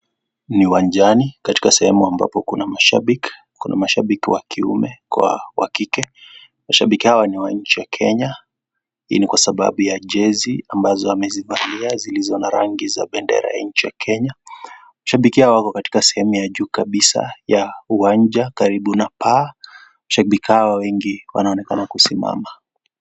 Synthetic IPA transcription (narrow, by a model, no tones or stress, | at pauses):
niwaɲd͡ʒanikati̥kasɛhɛmuamba̰pɔkunamaʃa̰ɓiki̥ | kuna̰maʃaɓikiwakʰiṵmɛkwa̰wa̰kikɛ | maʃaɓikihawaniwaɲ̩t͡ʃijakʰɛɲa | hḭːnikwasaɓa̰ɓujaʄɛziambazɔamɛzivaliazilizɔnaɾaŋɡiza̰ɓɛndɛ̰ɾa̰ja̰ɲ̩t͡ʃijakʰɛɲa | maʃaɓikihaɔwakɔkati̥kasɛhɛmujaʄuːkaɓisa̰jauwaɲd͡ʒakaɾiɓunapa | maʃaɓikihawawɛŋɡiwa̰naɔnɛkanakusima̰ma